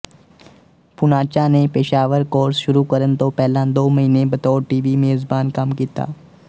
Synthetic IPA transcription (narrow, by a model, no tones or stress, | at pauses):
pʊnaːt͡ʃanepeːʃaːʋəɾkoːɾsʃʊɾukɐɾənt̪opɛɦlãd̪oːmɐɦiːnebɐt̪ɔːʈiːʋimeːzbaːnkɐmkiːt̪a̰ː